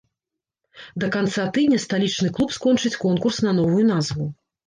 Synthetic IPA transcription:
d̪ɐkant̪sat̪ɨd̪ʲnʲɐst̪alʲit͡ʂnɨklˠupskɔnt͡ʂɨt͡sʲkɔnkursnɐnɔvujunazvu

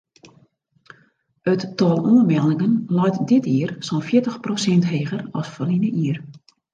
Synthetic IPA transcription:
ətːɔlˠoənmɛlˠɪŋənlɔjtdɪtiərsɔnfjɪətəxprosɛntɦeːɣərɔsfəlinəʔiər

